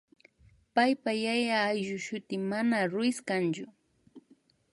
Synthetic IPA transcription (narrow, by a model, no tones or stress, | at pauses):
pajpajajaːjʒʊʃʊt̪ɪmanaɾʊɪskant͡ʃʊ